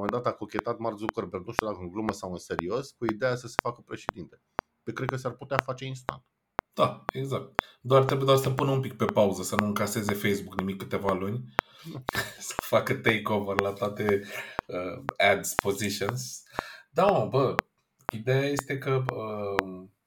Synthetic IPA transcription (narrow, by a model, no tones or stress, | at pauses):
omend̪at̪akokʲe̞t̪at̪mart̪zukərberd̪nuʃt̪ud̪akəɨnŋɡluməsawɨnse̞ɾio̞skuid̪e̞jasəse̥fakəpɾe̞ʃed̪int̪e | pekɾed̪̚kəsarput̪eafat͡ʃe̞inst̪a̰nt̪ | d̪̥aeɡzak̚t̪̚d̪oart̪ɾebued̪oarsəpunəumpik̚pe̞pauzəsənuɨŋkase̞ze̞fejsbuknimikːɨt̪e̞valunʲ | sə̥fakət̪ejkovərlat̪oat̪e̞əɛd̪spo̞ziʃionsd̪aobə | id̪ejaje̞st̪e̞kəə